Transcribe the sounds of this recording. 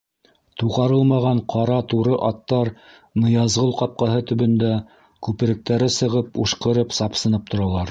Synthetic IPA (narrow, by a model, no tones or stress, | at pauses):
t̪uʁɑɾɤlˠmɑʁɑɴqʰɑɾɑt̪uɾɤʔɑt̪ːɑɾ | nɤ̆jɑzʁɤlˠqɑp̚qɑɦɤt̪ɵ̆βɵ̆nd̪æ | kʉpɘ̆ɾɘ̆k̚t̪æɾɘsɤ̆ʁɤpuʃqɤ̆ɾɤpsɑpsɤ̆nɤp̚t̪ʰŏɾɑlˠɑɾ